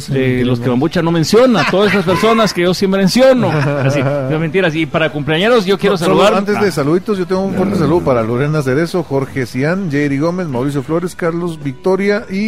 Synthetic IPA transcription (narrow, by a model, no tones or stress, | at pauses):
elo̞skeβambut͡ʃano̞mensjo̞nat̪oðasest̪aspeɾso̞naske̞ʝo̞sjempɾemensjo̞noas̬iment̪iɾasipaɾakumpleaɲeɾosʝo̞kjeɾos̬aluðaɾant̪eðes̬aluðit̪ozʝo̞t̪eŋɡounfwent̪es̬aluðopaɾaloɾenas̬eɾe̞soxoɾxesiand͡ʒejɾiɣo̞me̞szmawɾis̬jo̞flo̞ɾe̞skaɾlo̞zβik̚t̪o̞ɾjaʔi